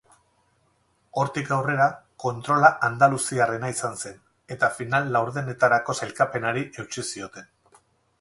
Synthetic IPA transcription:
o̞ɾt̪ikawre̞ɾako̞nt̪ɾo̞laʔand̪alusiare̞naisanse̞n | e̞t̪afinalːawɾðe̞ne̞t̪aɾako̞salkape̞naɾiʔe̞wt͡ʃisio̞t̪e̞n

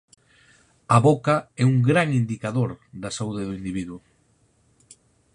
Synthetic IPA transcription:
aβokaɛuŋɡɾaŋind̪ikaðoɾðɐsauðɪðʊind̪iβiðwʊ

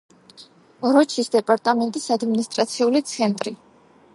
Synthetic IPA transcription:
ɔɾɔt͡ʃʰisd̪ɛpʼaɾt̪ʼamɛnt̪ʼisad̪minist̪ʼɾat̪sʰiulit̪sʰɛnt̪ʼɾi

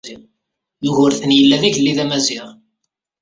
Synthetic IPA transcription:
i | juʝʊɾθənjəlːæðiʝəlːiðæmæzɪʁ

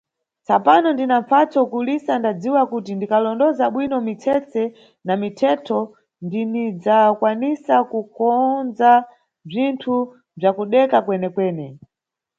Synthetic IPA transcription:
t͡sapanɔndinaɱfat͡sɔkulisandad͡ziwakutindikalɔndɔzaɓwinɔmit͡sʰɛt͡sɛ | namitʰɛtʰɔ | ndinid͡zakwanisakukɔnd͡za | b͡ʐintʰu | b͡ʐakuɗɛkakwɛnɛkwɛːnɛ

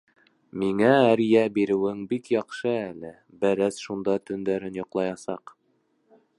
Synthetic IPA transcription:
miŋææɾjæbiɾɘ̆wɘŋbikjɑqʃɤælɘ | bæɾæsʃund̪ɑt̪ɵ̆nd̪æɾɘnjŏqlˠɑjɑsɑq

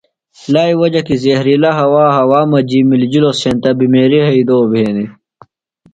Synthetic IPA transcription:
laːiwɐd͡ʑɐkizehɾilɐɦɐwaːɦɐwaːmɐd͡ʑimild͡ʑilosẽːnt̪ɐbimeːɾiɦɐid̪oːbʱeːni

